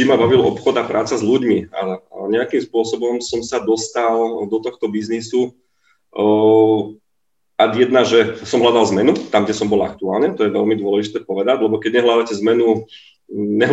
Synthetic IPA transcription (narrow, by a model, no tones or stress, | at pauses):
imabaʋilɔ̰pxɔd̪apɾʔaːt͡sazluɟmia̰ɲɛakimspʊɔsɔbɔmsɔmsad̪ɔst̪ald̪ɔt̪ɔxt̪ɔbiznisu | ad̪jɛd̪naʒɛsɔmɦlad̪alzmɛnut̪amɡɟɛsɔmbɔla̰k̚t̪uaːlnɛt̪ɔjɛʋɛlmid̪ʊɔlɛʒit̪ɛːpɔʋɛd̪aɟlɛbɔkɛɟɲɛɦlad̪acɛzmɛnu | ɲɛɦ